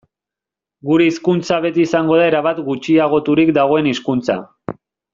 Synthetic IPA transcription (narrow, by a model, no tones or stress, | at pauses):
ɡuɾe̞iskunt͡saβ̞e̞t̪iːsaŋɡo̞ð̞ae̞ɾaβat̪ɡut͡ʃiaɣ̞o̞t̪uɾikd̪aɣ̞o̞e̞niskunt͡sa̰